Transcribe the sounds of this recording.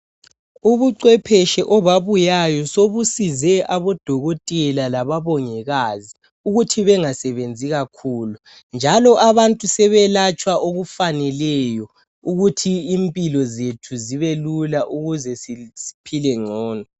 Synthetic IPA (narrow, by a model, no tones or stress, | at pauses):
uβuǀwɛpʰɛʃɛʔɔβaβujajɔsoβusizɛʔaβɔd̥ʱɔɣotʼɛlalaβaβɔŋɛɣazi | uɣutʰiβɛŋasɛβend͡zʱiɣakʰuːlu | nd͡ʒʱalɔʔaβantʼusɛβɛlat͡ʃʼwaʔoɣufanɛlɛjɔ | uɣutʰiːmpʼilɔzetʰuziβelulaʔuɣuzɛsisi̥pʰilɛŋ͡ǀʱɔːnɔ